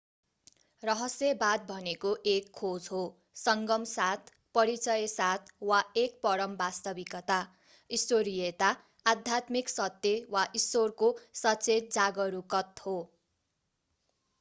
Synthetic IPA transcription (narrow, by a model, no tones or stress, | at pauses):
rʌɦʌsebad̪̚bʱʌnekoʔekʰːod͡zɦo | sʌŋɡʌmsat̪ʰ | pʌɾit͡sʌjsat̪̚ʰwaek̚pʌɾʌmbast̪ʌbikʌt̪a | isoɾijet̪aː | d̪ʱjat̪miksʌt̪ːjewaʔisworkosʌt͡set̪̚d͡zaɡʌɾukʌt̪ho